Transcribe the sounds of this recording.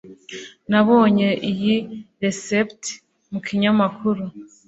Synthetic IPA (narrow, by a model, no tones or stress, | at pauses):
naβoːɲe̞ʔijiɾesept | mukʰiɲamakʰuɾu